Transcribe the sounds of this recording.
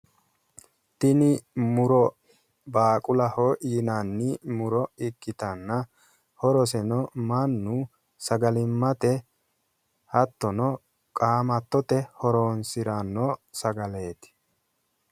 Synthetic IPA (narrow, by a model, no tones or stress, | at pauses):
t̪ɪnɪmʊɾɔ | baːkʼʊlɐhojɪnanːɪmʊɾɔɪkʼːɪt̪ɐnːɐ | hɔɾɔs̬ɛnɔmɐnːu | sɐɡɐlɪmːɐt̪ɛ | hɐt̪ːɔnɔ | kʼaːmɐt̪ːɔt̪ɛhɔɾoːnsɪɾɐnːɔsɐɡɐleːt̪ɪ̥